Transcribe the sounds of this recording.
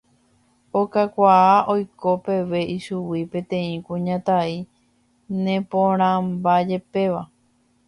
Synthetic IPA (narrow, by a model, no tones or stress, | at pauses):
okakʷaaʔo̞jko̞pe̞ʋe̞ʔiʃuwipẽ̞t̪ẽ̞ĩkũɲãt̪ai | nẽ̞põɾ̃ãmbad͡ʒe̞pe̞ʋa